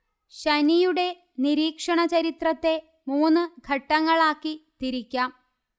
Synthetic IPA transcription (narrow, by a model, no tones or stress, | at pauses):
ɕɐnijuɽe̞ | niɾiːkʂɐɳɐt͡ɕɐɾit̪rɐt̪ːe̞ | muːnːɨɡʱɐʈːɐŋːɐɭaːkːit̪iɾikʲːaːm